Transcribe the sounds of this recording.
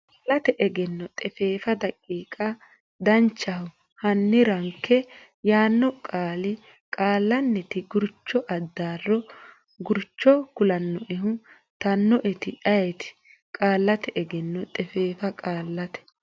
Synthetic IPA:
alːɐt̪ɛʔɛɡɛnːɔt̪ʼɛfeːfɐd̪ɐkʼːiːkʼɐ | d̪ɐnt͡ʃːɐhʊ | hɐnːɪɾɐŋkʰːɛ | jaːnːɔkʼaːlɪ | kʼaːlːɐnːɛt̪ɪɡʊɾt͡ʃːɔʔɐd̪ːaːrːɔ | ɡʊɾt͡ʃːɔkʊlɐnːɔʔɛɦʊ | t̪ɐnːɔʔɛt̪ɪɐjɛt̪ɪ̥ | kʼaːlːɐt̪ɛʔɛɡɛnːɔt̪ʼɛfeːfɐkʼaːlːɐt̪ɛ̥

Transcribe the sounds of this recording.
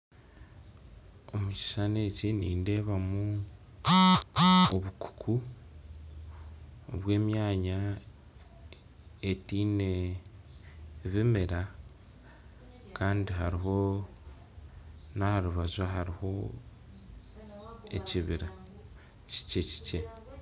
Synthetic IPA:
omuci̥ʃane̞ːciniːnde̞ːβamu | oβukʰu̥kʰu | βwe̞ːmjaːɲa | etiːne | βimeɾa | kʰaːndiɦaɾiɦo̞ | nahaɾuβazwaɦaɾiho̞ | e̞̰ciβiɾa | ci̥ceci̥ce̞

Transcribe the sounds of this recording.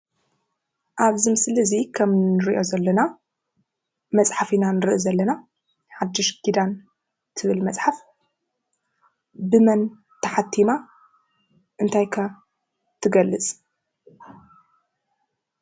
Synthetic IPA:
ʔaβzɨmɨslɨzikʰɐmnɨɾiʔo̞zɐlːɐna | mɐt͡sʼħafinanɨɾɨʔizɐlːɐna | ħad̪ːɨʃɡʰid̪an | t̪ʰɨβɨlmɐt͡sʼħaf | bɨmɐn | t̪ʰɐħat̪ʰːima | ʔɨnt̪ʰajkʰɐ | t̪ʰɨɡɐlːɨt͡sʼ

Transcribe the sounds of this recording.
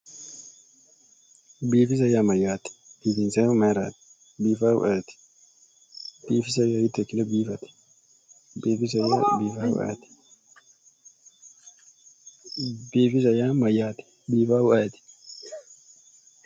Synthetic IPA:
biːfɪs̬ɐjamɐjaːt̪ɪ̥biːt̪ɪnsemeɾa̰ːt̪ | biːfa̰ʔat̪ɪ̥ | biːfɪsɐjajɪt̪ːɛkːɪlɛbiːfɐt̪ɪ̥ | biːfɪs̬ɐja̰biːfaːw̰ʔa̰t̪ɪ̥ | biːfɪs̬ɐjaːmɐjaːt̪ɪ̥ | biːfaːwʊʔat̪ɪ̥

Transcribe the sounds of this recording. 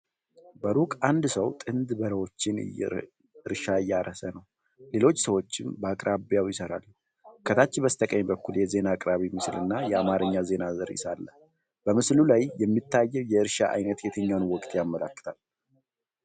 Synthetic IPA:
bəɾukʼand̪səwt̪ʼɨnd̪bəɾəwo̞t͡ʃːɪnɨ̰j̰ | ɨɾʃaɨjːaɾəsənəw | le̞lo̞t͡ʃːsəwo̞t͡ʃːɪmbəakʼɾʔaβjawjɪsəɾa̰l | kʰət̪ʰat͡ʃːɪbəst̪ʰəkʼəɲbəkːuljɛze̞nakʼɾaβimɨslɨnːajɛamaɾɨɲːaze̞nazəɾɪ̰salːə | bəmɨslulajjɛmːit̪ʰːajːɛwjɛɨɾʃaʔa̰jnət̪jɛt̪ʰəɲːawnwɔkʼt̪ʼjamːəla̰kːə̥t̪ʰal

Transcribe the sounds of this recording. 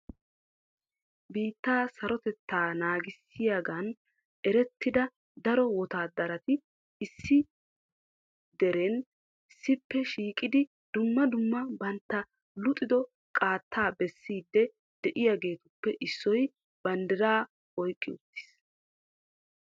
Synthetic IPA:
biːt̪ːaːsɐɾɔt̪ɛt̪ːaːnaːɡɪsːɪjaːɡɐn | ʔɛɾɛt̪ːɪd̪ɐ | d̪ɐɾɔwɔt̪aːd̪ɐɾɐt̪ɪ | ɪsːɪ | d̪ɛɾeːn | sːɪpːɛʃiːkʼɪd̪ɪ | d̪ʊmːɐd̪ʊmːɐbɐnt̪ːɐ | lʊt̪ʼːɪd̪ɔ | kʼaːt̪ʰːaːbɛsːiːd̪ːɛ | d̪̥ɛʔɪjaɡe̞ːt̪ʊpːɛʔɪsːɔj | b̥ɐnd̪ɪɾaː | ɔjkʼːɪʊt̪ːɪ̥s

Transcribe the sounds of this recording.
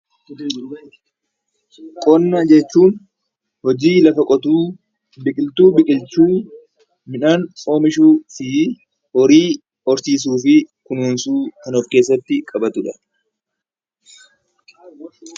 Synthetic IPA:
kʼɔnːɐd͡ʒɛt͡ʃːuːn | hɔd͡ʒiːlɐfɐkʼɔt̪uː | bɪkʼɪlt̪uːbɪkʼɪlt͡ʃuː | mɪᶑaːno̞ːmɪʃuːsi | hɔɾiː | ɔɾsiːs̬uːfɪ | kʊnuːnsuːk̪ɐnoːfke̞ːs̬ːɐt̪ːɪkʼɐbɐt̪ʊᶑɐ

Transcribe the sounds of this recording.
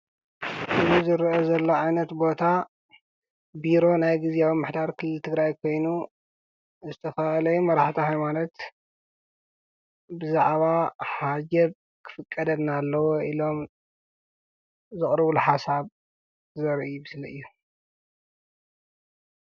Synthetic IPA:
ʔɨzizɨɾʔozɐlːo̞ʕajnɐt̪bo̞t̪ʰa | biɾo̞najɡɨzawomːɨħd̪aɾkʰɨlːɨlt̪ʰɨɡɾajkʰo̞jnu | zɨt̪ʰɐfalɐjumɐɾaħt̪ʰihajmanot̪ | bɨzaʕβahad͡ʒɐβ | kʰɨ̥fɨkʼːɐd̪ɐd̪nalːɐwoilo̞m | zɨχʼɾɨβulħasaβ | zɐɾʔijubɨsliɨjːu

